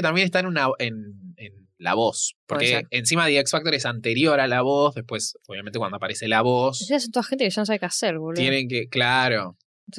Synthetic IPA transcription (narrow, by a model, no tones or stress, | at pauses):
et̪ambjenest̪aenunaenen | la̰βo̞spoɾkeensimaðeeksfakt̪o̞ɾesant̪e̞ɾjo̞ɾalaβozðe̞hpwe̞soβjamenekwand̪oapaɾe̞selaβosas̬ent̪oaxent̪ekeʃanos̬aβekeaseɾɣuljenẽŋk̬eklaɾo̞